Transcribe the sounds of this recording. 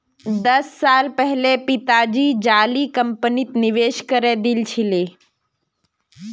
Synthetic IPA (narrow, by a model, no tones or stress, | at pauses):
d̪ɐsːaːlpɛɦlepɪt̪aːd͡ʒid͡ʒaːlikəmpənit̪nɪʋeːʃkəɾed̪ilt͡ʃʰɪleː